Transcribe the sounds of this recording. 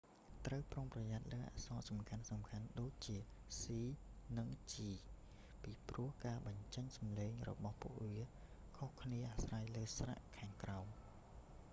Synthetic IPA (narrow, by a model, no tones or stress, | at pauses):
t̪rəwproŋprɑjat̪̚ləːʔa̰sɑːsɑmkʰansɑmkʰanɗoːc̚t͡ɕiə | siːnɨŋt͡ɕiː | piːpruəhkaːɓɑɲt͡ɕəɲsɑmleːŋrɔ̰ɓɑhpṵəʔʋiə | kʰohkʰniəʔasrajləːsra̰ʔkʰaːŋkraɔm